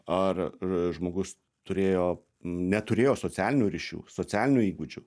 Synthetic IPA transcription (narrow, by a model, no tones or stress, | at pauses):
ɐrʒmoːɡʊs | t̪ʊɾʲeːjoː | nʲɛt̪ʊɾʲeːjoːsoːt͡sʲæːlʲɪnʲuːɾʲiːʃʲṵːsoːt͡s̪ʲæːlʲɪnʲuːiːɡʋʊd͡ʒʲʊ